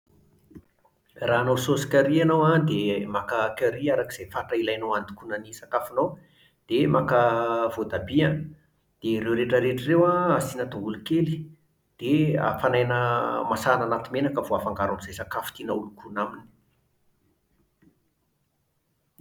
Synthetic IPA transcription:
raːnowsosi̥kʲaɾianowad̪emakakʲaɾiaɾaki̥z̥ejfaʈ͡ʂailajnowand̪i̥kunənisakafunow | d̪̥emakəv̥od̪abia | d̪̥eɾewɾeʈ͡ʂəɾeʈ͡ʂirewaasinat̪oulukeli̥ | d̪̥ea̰fanajnəmasananat̪imenakəvoafaŋɡaɾamizajsakafu̥t̪inaulukunamini̥

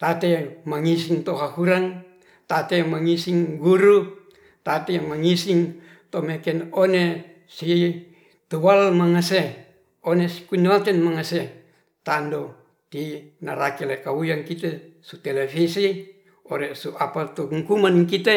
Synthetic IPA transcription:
t̪at̪emaŋisiŋt̪oɦahuɾaŋ | t̪at̪emaŋisiŋɡuɾu | t̪at̪emaŋisiŋ | t̪omekɛnone | si | t̪uwalmaŋase | onesi̥kunakɛnmaŋase | t̪ando | t̪inaɾakelekaujaŋkit̪e | sut̪elefisi | oɾesuapat̪uɦuŋkumanŋkit̪e

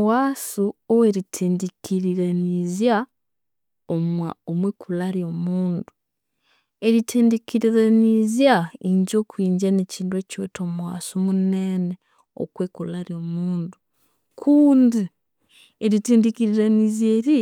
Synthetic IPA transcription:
waːsuoweɾitʰiːndikiɾiɾanizja | omwaomwekulaɾjo̞muːndu | eɾitʰeːndikiɾiɾanizjaiɲɟoːkiːɲɟaneciːndwecwḛtʰomuwaːsumuneːne | o̰kweːkulaɾjo̞muːndu | kʰuːndi | eɾitiːndikiɾiɾanizjeɾi

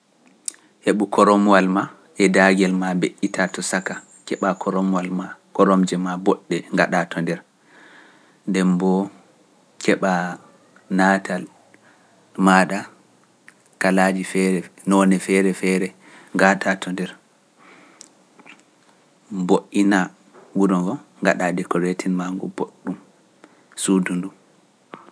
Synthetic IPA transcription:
heɓukʰɔɾɔmwalma | ʔɛdaɡɛlmabeʔitʰatɔsaka | kɛɓakʰɔɾɔmwalmakɔɾɔmd͡ʒɛmabɔɗːɛŋɡaɗatʰɔndɛɾ | ndɛmbɔ | kɛɓa | natʰal | maɗa | kalad͡ʒifɛɾɛnɔnɛfɛɾɛfɛɾɛ | ŋɡaɗʰatʰɔndɛɾ | mboʔːina | wuɾɔnvɔŋɡaɗadɛkɔɾetʰinmaŋɡɔ̰boɗːum | sudundum

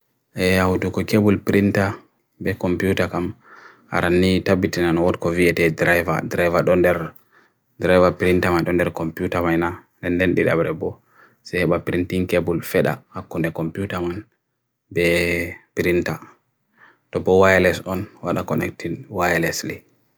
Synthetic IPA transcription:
ʔɛjawudukɔkebulpiɾinta | bɛkɔmpiutakam | a̰ɾʔanːitabːitinanɔwɔtkɔviɛtɛdɾajva̰dɾajvaɗɔndɛɾ | dɾajvapiɾintamajɗɔndɛɾkɔmpjutamajna | dɛndɛnɗiɗa̰bɾɛbɔ | sɛhɛɓapɾintiŋkebulfɛɗa̰hakːundɛkɔmpiutaman | bɛpiɾinta | tɔbɔwajlɛsɔnwaɗakɔnɛk̚tʰinwajlɛsli

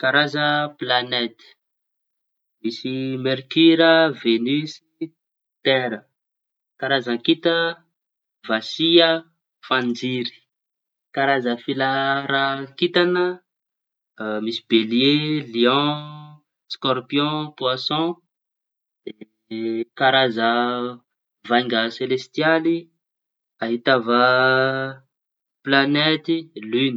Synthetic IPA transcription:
kaɾazəplanɛt̪ə̥ | misimɛɾkyɾəvenysi | t̪ɛɾə | kaɾazakit̪ə | vasia | fãnd͡ʒiɾi̥ | kaɾazəfilaɾakit̪anə | misibelieliɔ̃ | skɔɾpijɔ̃pwasɔ̃ | d̪̥e | kaɾazə | vajŋɡəselest̪jali | aɦit̪avə | planet̪ilyni̥

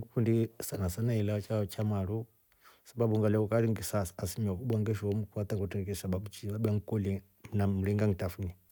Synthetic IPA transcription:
ŋɡukundisanasanailat͡ʃat͡ʃamalu | sabaɓuŋɡalɛkukaɾiŋɡisasasimiwakuɓaŋɡɛʃɔmukuat̪aŋkɡutɛɾɛkɛsaɓaɓut͡ʃilaɓaŋkɔli | mnam̩ɾiŋɡaŋtafuni

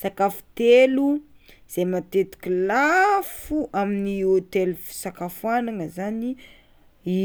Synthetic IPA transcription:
sakafu̥t̪elu | z̥emat̪et̪i̥kʲilafuʔaminiot̪elufi̥sakafuanaŋəzani | i

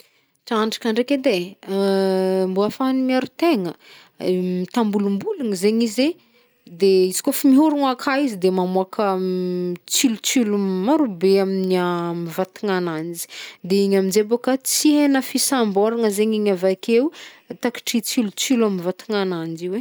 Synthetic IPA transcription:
ʈ͡ʂaɳɖ͡ʐḁkaɳɖ͡ʐeked̪e | mbuafanimiaɾut̪eŋə | mit̪ambulumbuluŋzeɲize | d̪eizi̥kofimiɦuɾuŋakʰaizid̪emamuakʰə | t͡silut͡silumaɾubeaminiamivat̪iŋanand͡ʒi̥d̪eiɲaminzebokat͡siɦenəfisambɔɾaŋəzeɲiɲavakewt̪aki̥ʈ͡ʂit͡silut͡silamivat̪iŋanand͡ʒiwe

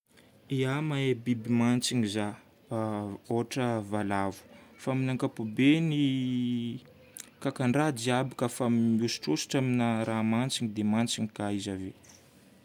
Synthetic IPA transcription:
iamaebibimant͡siŋiza | oɦaʈ͡ʂəvalavu̥faminaŋkapubeni | kakaɳɖ͡ʐad̪iabakəfamiusʈ͡ʂosi̥ʈ͡ʂaminəɾʔamant͡siɲid̪emant͡siɲikaizave

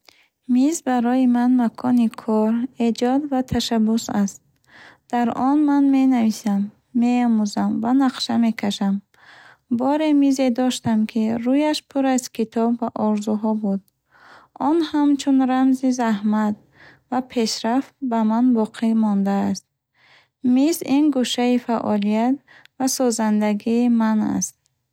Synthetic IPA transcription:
mizbaɾɔjimanmakʰɔnikʰɔɾe̞d͡ʒɔd̪vat̪ʰaʃabusast̪̚ | d̪̥aɾɔnmanme̞navisamː | eɔmuzamvanaqʃame̞kʰaʃam | bɔɾe̞mize̞d̪ɔʃt̪amkʰiɾujaʃpʰuɾazkʰit̪ʰɔbːaʔɔɾzuɦɔbud̪ | ɔnhamt͡ʃʰunɾamzizahmat̪̚ | vapʰe̞ʃɾaft̪̚bamanbɔqʰimɔnd̪aːst̪̚ | mizinɡuʃaifaʔɔlijat̪̚ | vasɔzand̪aɡiːmana̰st̪̚

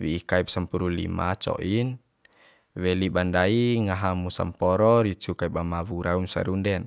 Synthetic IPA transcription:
wiːkaip̚səmpuɾulḭma̰t͡ʃɔ̰ʔin | wɛlibandaiŋaɦamusa̰mpɔɾɔɾit͡ʃukaip̚amawuɾaunsa̰ɾundɛn

